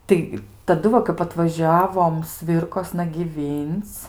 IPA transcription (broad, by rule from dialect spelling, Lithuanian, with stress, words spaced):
ˈtɐɪ tɐˈdʊ ʋɐ kɐp ɐtʋɐˈʒʲæːʋoːm ˈsʲʋʲɪrkoːsnɐ ɡʲiːˈʋʲiːnt͡s